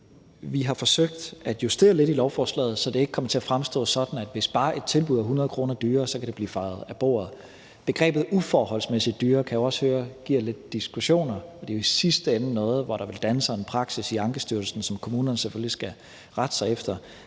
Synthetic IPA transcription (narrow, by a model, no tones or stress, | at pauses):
ʋiɦɑ̈fɒ̽søɡ̥̚d̥æd̥jusd̥e̝̰ːɐle̝dilɒʊfɒːslɛ̰ːð̩ˠsɒ̽d̥eeɡ̥əkʰɒ̽mɐt͡sʰe̝æfʁamsd̥ɔ̰̽ːsɒ̽d̥n̩æd̥ʋe̝sb̥ɑ̈ːʔe̝d̥̚t͡sʰe̝lb̥uðˠæɦunɐð̞̩ˠkʰʁo̝ːnɐd̥yːɐsɒ̽kʰæd̥e̝b̥lḭːfɑ̈ɪð̞̩ˠæb̥o̝̰ːɐð̞̩ˠ | b̥e̝ɡ̥ʁɛ̰ːb̥ð̩ˠufɒhɒ̽l̰smesid̥ːyːɐkʰæjo̝ɒ̽shøːɐɡ̥iɐ̰le̝d̥̚ːisɡ̥uɕo̝̰ːnɐɒ̽d̥e̝jo̝isisd̥əenənɔ̽ːð̞̩ˠʋɒɾ̥ɑ̈ʋe̝ld̥ænsɐe̝npʰʁɑ̈ɡ̥sisiɑ̈ŋɡ̥əsd̥yɐl̩sn̩sɒ̽mkʰo̝muːnɐnəseføllisɡ̥æ | ʁad̥ə̥sɑ̈ɪefd̥ɐ